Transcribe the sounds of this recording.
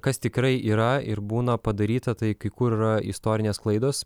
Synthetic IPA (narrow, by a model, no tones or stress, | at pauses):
kɐst̪ʲɪkɾɐɪʔiːɾɐɪɾbuːnɐpɐd̪ɐɾʲiːt̪ɐt̪ɐɪkɐɪkuːɾiɾɐɪ̰st̪oːɾʲɪnʲeːsklˠɐɪd̪oːs